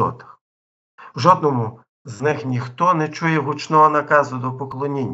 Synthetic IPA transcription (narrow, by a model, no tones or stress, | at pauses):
ɔ̰t̪ɐ̥x | wʒɔd̪nɔmʊ | znɪxnʲixt̪ɔnɛt͡ʃujɛɦut͡ʃnɔɦɔnɐkɑzʊd̪ɔpɔklˠɔnʲinʲː